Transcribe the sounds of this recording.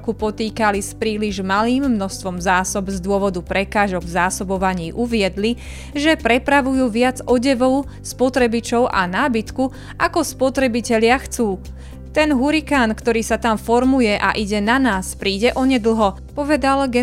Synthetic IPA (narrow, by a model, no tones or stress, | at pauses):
kupɔt̪iːkalispɾiːliʒmaliːmːnɔst̪ʋɔmzaːsɔbzd̪ʊɔʋɔd̪upɾɛkaːʒɔɡvzaːsɔbɔʋaɲiːʔuʋɪɛd̪li | ʒɛpɾɛpɾaʋujuːʋɪad͡zɔɟɛʋɔʊ | spɔt̪ɾɛbit͡ʃɔʊʔa̰naːbit̪ku | ʔakɔspɔt̪ɾɛbicɛʎɪaxt͡suː | t̪ɛnɦuɾikaːnkt̪ɔɾiːsat̪amfɔɾmujɛʔa̰ʔiɟɛnanaːspɾiːɟɛʔɔɲɛd̪l̩ˠɦɔ | pɔʋɛd̪alɡɛ